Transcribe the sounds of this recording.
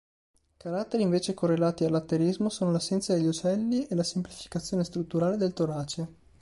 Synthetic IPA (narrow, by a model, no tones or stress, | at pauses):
kaɾat̪ːeɾiɱveːt͡ʃekorːelaːt̪ialːat̪ːeɾizmosoːnolasːɛnt̪sad̪eʎːut͡ʃɛlːielasemplifi̥kat̪sːjoːnest̪ɾut̪ːuɾaːled̪elt̪oɾaːt͡ʃe